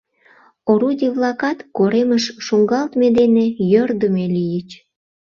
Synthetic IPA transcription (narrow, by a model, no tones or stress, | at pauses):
oɾudʲiβlɑkɑt̪koɾeməʃʃuŋɡɑlt̪med̪enejørd̪əmelijət͡ɕ